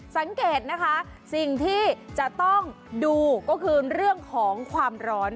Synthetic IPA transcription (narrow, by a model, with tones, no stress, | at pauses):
sa˩˦ŋkeː˨˩t̪̚na˦˥kʰa˦˥ | si˨˩ŋt̪ʰiː˥˩t͡ɕa˨˩ʔt̪ɔ˥˩ŋ | duː˧kɔː˥˩kʰɯː˧ɾɯ˥˩əŋkʰɔː˩˦ŋkʰwaː˧mɾɔː˦˥n